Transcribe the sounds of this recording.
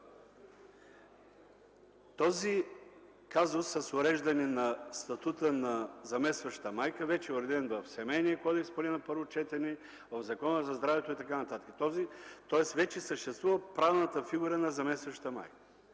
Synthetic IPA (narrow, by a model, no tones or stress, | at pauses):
t̪ɔzi | kazʊsːɐsʊɾɛʒd̪ɐninɐst̪ɐt̪ut̪ənɐzɐmɛst̪vɐʃt̪əmajkəvɛt͡ʃɛʊɾɛd̪ɛnvɐfsɛmɛjniəkɔd̪ɛkspolʲɛnɐpɤɾvot͡ʃɛt̪ɛnɛ | vɐvzɐkɔnəzɐzd̪ɾavɛt̪oit̪ɐkanɐt̪at̪ə̥kə̥t̪ɔzit̪ɔɛsvɛt͡ʃɛsəʃt̪ɛst̪vuvɐpɾavnɐt̪əfiɡuɾɐnɐzɐmɛst̪vɐʃt̪əma̰jkə̥